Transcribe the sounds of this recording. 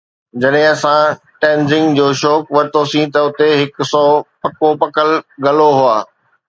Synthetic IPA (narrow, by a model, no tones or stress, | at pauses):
d͡ʑɐɗɦɪ̃ɐsã | ʈɛ̃ːnzɪ̃ŋɡd͡ʑoːʃɔːkʋɐɾɪt̪ʰosĩt̪ɐʊt̪eɦɪksɔːpɐkopɐkəlɡɐloɦʊaː